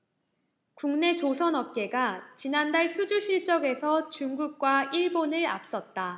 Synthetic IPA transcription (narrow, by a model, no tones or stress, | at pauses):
kuŋne̞t͡ɕosʰʌnʌp̚k͈e̞ɡat͡ɕinandaɭsʰud͡ʑuɕʰiɭt͡ɕ͈ʌɡe̞sʰʌt͡ɕuŋɡuk̚k͈waiɭbonɯɭa̰p̚s͈ʌt̚t͈a